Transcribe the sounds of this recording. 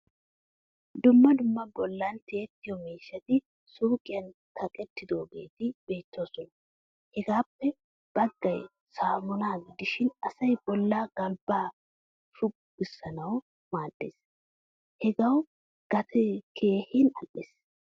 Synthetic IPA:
d̪ʊmːɐd̪ʊmːɐbɔlːɐnt̪ɛːt̪ːɪjɔmiːʃːɐt̪ɪ | suːkʼɪjɐnt̪ʰɐkʼɛt̪ːɪd̪o̞ːɡe̞̰ːt̪ɪb̥e̞ːt̪ːoːsɔnɐ | hɛɡaːpːɛ | b̥ɐɡːɐj | saːmʊnaːɡɪd̪ɪʃɪnɐsɐjb̥ɔlːaːɡ̥ɐlbaː | ʃʊ | ɡɪsːɐnɐw | maːd̪ːḛːs | hɛɡɐw | ɡ̥ɐt̪ʰɛkʰe̞ːhɪnɐ̰lʔes

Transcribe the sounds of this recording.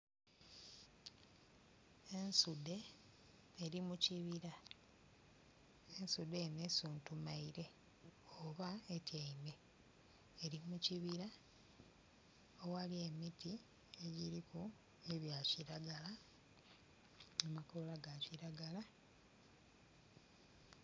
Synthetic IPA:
ensude̞ː | ɾimuciβiɾa | ensudeːnesuːntumaiɾe̞ | oβaetjaime̞ː | ɾimuciβiɾa | owalie̞miti | eɟiɾiku | eβjaciɾaɡala | amakolaɡaciɾaɡala

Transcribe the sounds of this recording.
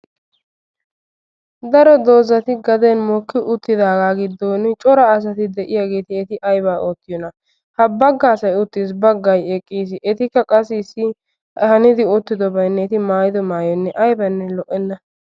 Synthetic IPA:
d̪ɐɾɔd̪o̞ːzɐt̪ɪɡɐd̪ɛnmɔkːɪʔʊt̪ːɪd̪aːɡaːɡɪd̪oːnɪt͡ʃʼɔɾɐːs̬ɐt̪ɪd̪ɛʔɪjaːɡe̞ːt̪ɪɛt̪ɪʔɐjbaːʔoːt̪ːɪjɔnɐ | hɐbɐɡːaːsɐjʊt̪ːiːs̬bɐɡːɐjɛkʼːiːsɪʔɛt̪ɪkːɐkʼɐsɪsːɪ | hɐnɪd̪ɪʊt̪ːɪd̪ɔbɐjnːɛɛt̪ɪmaːjɪd̪ɔmaːjɔnːɛʔɐjbɐnːɛlɔʔɛnːɐ

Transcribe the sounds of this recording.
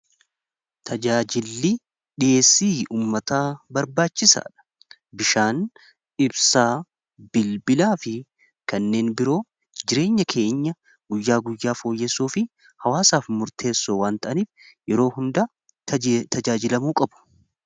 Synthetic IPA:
t̪ʰɐd͡ʒaːd͡ʒɪlːiː | ᶑɪjʔe̞ːsːiːuːmːɐt̪aːbɐɾbaːt͡ʃːɪsa̰ːᶑɐ̥ | bɪʃaːn | ɪbsaː | b̥ɪlbɪlaːfɪ | kɐnːe̞ːnbɪɾo̞ː | d͡ʒɪɾe̞ːɲːɐkʰe̞ːɲːɐ | ɡʊjːaːɡʊjːaːfo̞ːjːɛsːuːfɪ | hɐwaːsaːfmʊɾt̪ʰe̞ːsːoːwaːnt̪ɐʔɐniːf | jɛɾo̞ːhʊnd̪ɐ | t̪ɐd͡ʒaːd͡ʒɪlɐmuːkʼɐbʊ̥

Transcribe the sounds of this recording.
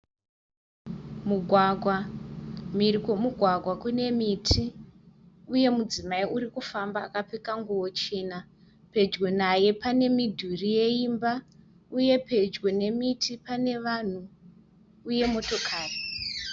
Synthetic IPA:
muɡʱwaɡʱwa | mirikwomuɡʱwaɡʱwakune̞mitʰi | uje̞mud͡zimaiuɾikufamba̰ːkap͡fekaŋɡuwo̞t͡ʃe̞na | pe̞d͡ʒɡonaje̞pane̞midʱurije̞imba | uje̞pe̞d͡ʒɡone̞mitʰipane̞ʋan̤uː | je̞mo̞to̞kʰaːre

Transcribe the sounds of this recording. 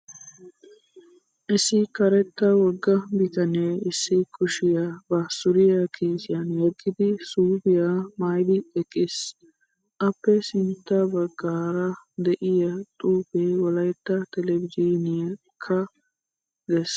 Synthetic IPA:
ʔɪsɪkɐɾɛt̪ːɐwɔɡːɐbɪt̪ɐneːɪsːɪkʰʼʊʃɪjabɐsʊɾɪjɐkʰiːsɪjɐnjɛɡːɪd̪ɪsuːbɪjamaːjd̪ɪɛkʼːɪs | ʔɐpːɛsɪnt̪ːɐbɐɡaːɾɐ | d̪ɛʔɪjɐt̪ʼuːpewɔlɐjt̪ːɐt̪ɛlɛbɪd͡ʒinɪjɐ | kʰːɐ | d̪ɛs

